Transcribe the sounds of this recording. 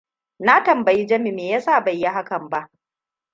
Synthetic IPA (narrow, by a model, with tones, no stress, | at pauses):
na˦tɐ˨mbɐ˨ji˦d͡ʒɐ˦mi˨meː˨jaː˦saː˦˨bɐ˨jːa˦ɦa˦kɐ˨mba˦ʔ